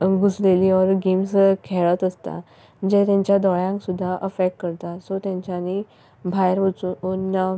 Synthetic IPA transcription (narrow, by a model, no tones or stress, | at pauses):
ɡusleliːɔɾɡimskʰeɭət̪əst̪a̰ | d͡ʑet̪jãɲt͡ɕjad̪ɔɭjãŋksud̪ʱːaʔəfek̚ʈkəɾt̪asɔt̪jãɲt͡ɕani | bʱajɾʋət͡suonːa